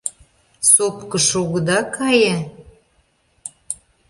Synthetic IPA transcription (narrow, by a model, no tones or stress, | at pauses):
sopkəʃoɣəd̪ɑkɑje